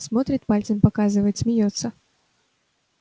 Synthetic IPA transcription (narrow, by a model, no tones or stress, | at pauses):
smot̪ɾʲɪt̪̚palʲt̪sənpakazɨvəjɪt̪sʲmʲɪjot̪sːə